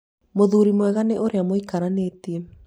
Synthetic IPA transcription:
moðuːɾimwɛɣaneʔoɾeamoikaɾaneːtiɛ

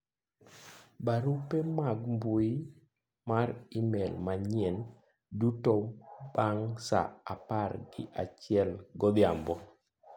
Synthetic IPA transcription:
baɾupemaɡmbui | maɾimɛlmaɲjɛn | dutɔbaŋsa̰aparɡɪʔa̰t͡ʃɪɛlɡɔd̪jambɔ

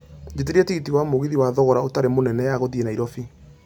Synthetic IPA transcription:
d͡ʒet̬eɾetiɣitiwamoɣiðiwaðɔɣɔɾaotaɾemonɛnɛjaɣoðienaiɾɔfi

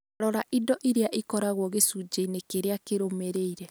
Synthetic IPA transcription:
ɾɔɾaʔidɔʔiɾeaʔikɔɾaɣwɔɣesud͡ʒeinekeɾeakeɾomeɾeiɾɛ

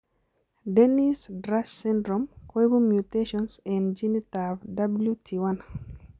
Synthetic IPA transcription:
denisdɾassɛ̃ndɾɔmkojbumjuteʃɔnsɛ̃nd͡ʒinitavdabljutʰiwan

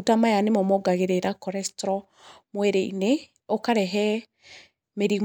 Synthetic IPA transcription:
utamajanemɔmɔɡaɣeɾeɾakɔɾɛstɾɔ | mwɛɾeḭne | okaɾɛɦɛ | meɾim

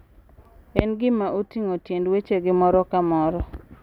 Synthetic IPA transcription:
enɡɪmaʔotiŋotjendwet͡ʃeɡɪmɔɾɔkamɔɾɔ

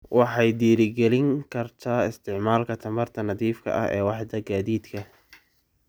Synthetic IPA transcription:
wɑħɑjd̪iːɾɪɡɛlɪŋkʰɐrt̪ʰaːɪst̪ʰɪʕmaːlkʰɐt̪ʰɐmɐrt̪ʰɐnɐðiːfkʰɐ̰ʔɐ̰hɛ̰ːwɑħd̪ɐɡaːðiːd̪kʰɐ

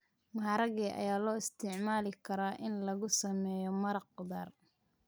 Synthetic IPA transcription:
mɐɦɑːɾɐɣɛːʔɐ̰jaːlɔːɪst̪ʰɪʕmaːlɪkʰɐɾaːʔɪnlɐɣʊsɐmɛːjɔmɐɾɐqʊdaːr

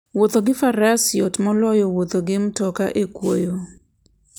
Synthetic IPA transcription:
wot̪oɡɪfaɾasɪjɔtmɔlɔjɔwot̪oɡɪmtɔka̰ʔekwojo

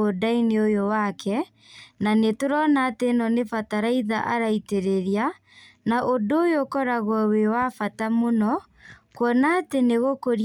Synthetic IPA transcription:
odaineojowakʰɛ | nanetoɾɔnaːtenɔnefataɾaiðaʔaɾaiteɾeɾia | naʔodojokɔɾaɣwɔwewafatamonɔ | kwɔnateneɣokoɾ

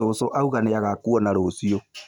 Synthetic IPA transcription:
oːsoʔauɣaneaɣakuɔnaɾosio

